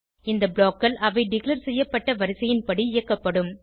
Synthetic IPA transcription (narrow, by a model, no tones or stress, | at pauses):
ɪnd̪ɐbɭoːkːɐlʔɐʋɐɪɖɪklɐɾsɛjːɐpːɐʈːɐʋɐɾɪsɐjɪnpɐɽiɪjɐkːɐpːɐɽɯm